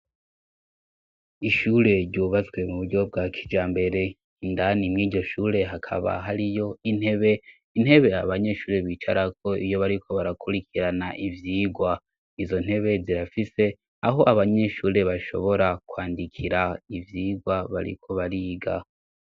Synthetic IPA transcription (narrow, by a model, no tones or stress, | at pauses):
iʃuːɾe̞ɾɟuːβat͡sɡwe̞muβuɾɟo̞b̚ɡakʰi̥d͡ʒaːmbe̞ɾe̞ | indanimŋiːɟo̞ʃuːɾe̞ɦakʰa̰βa̰ɦaɾijo̞in̥he̞βe̞ | in̥he̞βe̞aβaɲe̞ʃuːɾe̞βiːt͡ʃa̰ɾakʰo̞ijo̞βaɾikʰo̞βaɾakʰuɾikʰiɾanaʔivjiːɡwa | izo̞n̥he̞βe̞ziɾafise̞ | aɦo̞ʔaβaɲe̞ʃuːɾe̞βaʃo̞̰βo̞ɾakwaːndikʰiɾaivjiːɡwaβa̰ɾḭkʰo̞βaɾiːɡa